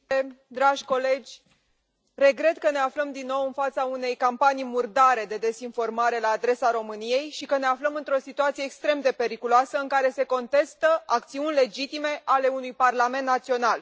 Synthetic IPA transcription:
ed̪ɾaʒʲkole̞d͡ʒʲ | re̞ɡɾe̞t̪kəne̞afləmd̪inːo̞wɨnfat̪saune̞jkampanijmurd̪aɾe̞d̪e̞d̪e̞sinfo̞rmaɾe̞laːd̪ɾe̞saɾo̞mɨnije̞jʃikəne̞afləmɨnt̪ɾo̞sit̪uat̪sije̞ːkst̪ɾe̞md̪e̞pe̞ɾikuloasəɨŋkaɾe̞se̞ko̞nt̪e̞st̪əak̚t̪siunʲle̞d͡ʒit̪ime̞ʔale̞unujparlame̞nt̪nat̪sio̞nal

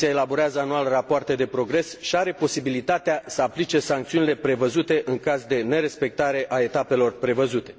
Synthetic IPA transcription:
iaelabo̞ɾeazəanualrapoart̪ed̪e̞pɾo̞ɡɾe̞sʃiaɾe̞po̞sibilit̪at̪easəaplit͡ʃe̞saŋkt̪siunile̞pɾe̞vəzut̪e̞ʔɨŋkazd̪e̞ne̞ɾe̞spe̞k̚t̪aɾe̞ʔae̞t̪ape̞lo̞rpɾe̞vəzut̪e̞

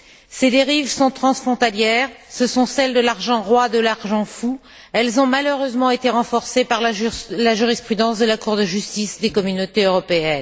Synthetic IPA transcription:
sed̪eʁivsɔ̃t̪χɑ̃sfχɔ̃t̪aljɛʁsəsɔ̃sɛld̪əlaʁʒɑ̃ʁwad̪əlaʁʒɑ̃fu | ɛlzɔ̃maløʁøzmɑ̃et̪eʁɑ̃fɔʁsepaʁllaʒyʁispχyd̪ɑ̃sd̪əlakuʁd̪əʒyst̪isd̪ekɔmynot̪eøʁɔpeɛn

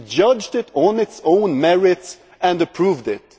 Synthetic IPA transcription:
d͡ʒʌd͡ʒdɪɾn̩ɨtsõʊ̃nmɛɹɪts | ɨ̃ndɨpʰɹ̥uvdɪt̚

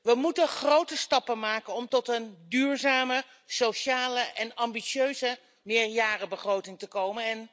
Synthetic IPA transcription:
ʋəmutəχrowtəstɑpənmaːkənɔmtɔtəndyːɹzaːmə | sowʃaːləʔɛnɑmbiʃøɥzə | mɪːɹjaːrəbəχrowtɪŋtəkowmənɛn

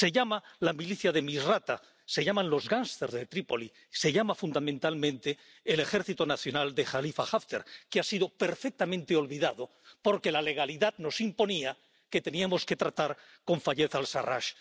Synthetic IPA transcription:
se̞ʎamalamiliθjaðe̞misrat̪a | se̞ʝamãnlo̞zɣanst̪eɾzðet̪ɾipo̞li | se̞ʎamafund̪amẽnt̪almẽnt̪e̞ː | le̞xe̞ɾθit̪o̞naθjo̞nald̪e̞xalifaxaft̪ḛɾkeasiðo̞pe̞ɾfek̚t̪amẽnt̪eo̞lβiðaðo | po̞ɾke̞lale̞ɣ̞aliðaðno̞simpo̞nia | ke̞t̪e̞niamo̞ske̞t̪ɾat̪aɾ | ko̞ɱfaʎe̞θalsa̰ra̰ʃ

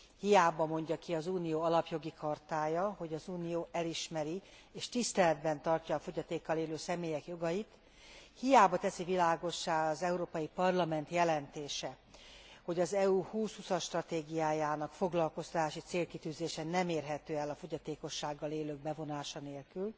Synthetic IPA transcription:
hijaːbɒmo̞ɲɟɒkiɒzuːnijoːɒlɒpjo̞ɡikʰɒrt̪aːjɒho̞ɟɒzuːnijoːʔɛliʃmɛɾi | eːʃt̪ist̪ɛlɛd̪bɛnt̪ɒrcɒːfo̞ɟɒt̪eːkːɒleːløːsɛmeːjɛkjo̞ɡɒjit̪ | hijaːbɒt̪ɛsivilaːɡo̞ʃːaːlɒzɛuɾoːpɒjipɒrlɒmɛnt̪jɛlɛnt̪eːʃɛ | ho̞ɟɒzɛuːhuːshusɒʃt̪rɒt̪eːɡijaːjaːnɒkfo̞ɡlɒlko̞st̪ɒt̪aːʃit̪seːlkit̪yːzeːʃɛnɛmeːrɦɛt̪øːɛlɒfo̞ɟɒt̪eːko̞ʃːaːɡːɒleːløːɡ̚bɛvo̞naːʃɒneːlkyl

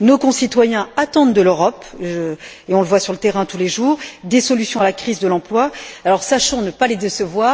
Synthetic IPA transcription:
nokɔ̃sit̪wajɛ̃at̪ɑ̃d̪d̪əløʁɔpʒ | eɔ̃ləvwasyʁlət̪eʁɛ̃t̪uleʒuːʁd̪esɔlysjɔ̃alakχizd̪əlɑ̃plwaalɔʁsaʃɔ̃nəpaled̪esəvwaːʁ

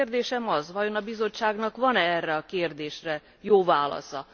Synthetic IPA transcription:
rd̪eːʃɛmɒzʋɒjo̞nɒbizo̞t͡ʃːaːɡnɒkʋɒnɛɛrːɛɒkeːrd̪eːʃrɛ | joːvaːlɒ̰sɒ̰

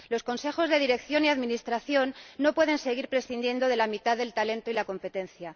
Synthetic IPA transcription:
lo̞sko̞nse̞xo̞zðe̞ðiɾe̞kθjo̞niaðminist̪ɾaθjo̞nːo̞pwe̞ð̞e̞nse̞ɣ̞iɾpɾesθind̪je̞nd̪o̞ðe̞lamit̪aðe̞lt̪ale̞nt̪o̞ilako̞mpe̞t̪e̞nθja

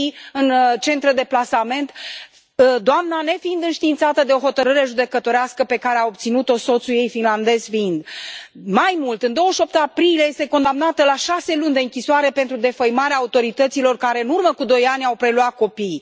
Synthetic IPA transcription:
ɨnt͡ʃe̞nt̪ɾed̪e̞plasame̞nt̪ | d̪oamnane̞find̪ɨnʃt̪iːnt̪sat̪əd̪e̞o̞ɦo̞t̪əɾɨɾe̞ʒud̪e̞kət̪o̞ɾeaskəpe̞kaɾeao̞p̚t̪sinut̪o̞so̞t̪suje̞jfinland̪e̞zfiind̪majmult̪ɨnd̪o̞wəʃo̞p̚t̪apɾilieje̞st̪e̞ko̞nd̪amnat̪əlaʃase̞lunʲd̪eɨŋkʲisoaɾe̞pe̞nt̪ɾud̪e̞fəjmaɾeaːut̪o̞ɾit̪ət̪silo̞rkaɾe̞ɨnurməkud̪o̞janʲawpɾe̞luat̪̚ko̞pij

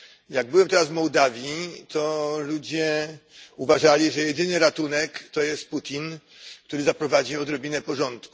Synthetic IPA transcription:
jaɡ̚bɘwɛmt̪ɛɾazvmɔwd̪avʲjit̪ɔlud͡ʑɛ | uvaʐalʲiʐɛjɛd̪ɘnɘɾat̪unɛkt̪ɔjɛst̪̚put̪ʲin | k̚t̪uɾɘzapɾɔvad͡ʑiɔd̪ɾɔbʲinɛpɔʐɔnt̪ku̥

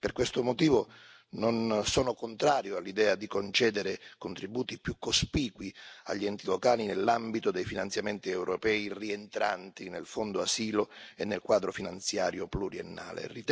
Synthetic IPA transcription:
perkwest̪omot̪iːvo | nonsɔːnokont̪ɾaːɾjoalːid̪ɛːad̪ikont͡ʃɛːd̪eɾekont̪ɾibuːt̪ipjukːospiːkwia̰ʎːiɛnt̪ilokaːlinelːambit̪od̪ejfinant̪sjamɛnt̪iɛwɾopɛːirient̪ɾa̰nt̪inelfond̪oasiːloenːelkwaːd̪ɾofinant̪sjaːɾjopluɾienːa̰ːlḛrit̪

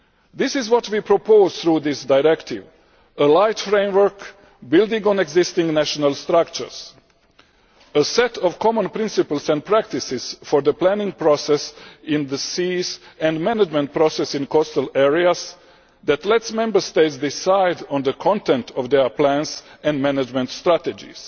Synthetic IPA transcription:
ðɪsɪzwɔtwipɾɔpʰoʊz̥θɾuːðɪsdaɪɹɛktʰɪʋ | əlaɪtfɾẽɪ̃mwə˞k | bɪlˠdɪ̃ŋɡɔ̃nɛɡzɪstɪ̃ŋnæʃɔnalˠst̪ɾakt͡ʃə̰˞s | əsɛtʰɔvkʰɔmə̃npɾɪ̃nsɪpəl̩ˠsɛ̃nd̚pɾæk̚tɪsɪz̥fɔɾðəplæ̃nɪ̃ŋɡ̚pɾɔsɛsɪ̃nd̪əsiːsæ̃ndmænad͡ʒmɛ̃nt̪̚pɾɔsɛsĩnkɔstəlɛɹias | d̪æt̪lɛtsmɛ̃mbə˞st̪etsd̪ɪsaɪdɔ̃nd̪əkʰɔ̃ntɛ̃ntʰɔʋd̪ɛplæ̃nsɛ̃ndmænad͡ʒmɛ̃nt̪st̪ɾæt̪ɛd͡ʒḭs

